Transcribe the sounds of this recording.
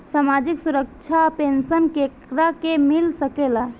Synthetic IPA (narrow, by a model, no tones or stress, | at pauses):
saːmaːd͡ʒɪksʊɾəkt͡ʃʰapeːnsənkeːkɾakemɪlsəkeːla